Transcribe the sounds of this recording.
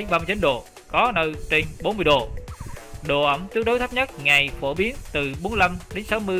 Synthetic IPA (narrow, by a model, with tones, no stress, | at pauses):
ɓaː˧m˧t͡ɕi˨˦nɗo˨˩ | kɔ˨˦nə˧t͡ɕe˧nɓo˨˦nmɨ˧əjɗo˨˩ | ɗo̰˨˩ʔə˧˩mt̪i˦˥ək̚ɗo˨˦t̪ʰə˦˥p̚ɲə˦˥t̚ŋa˨˩jfo˧˩ɓi˨˦ənt̪ɨ˨˩ɓo˨˦n˧la˧mɗe˨˦nsa˨˦wmɨ˧ə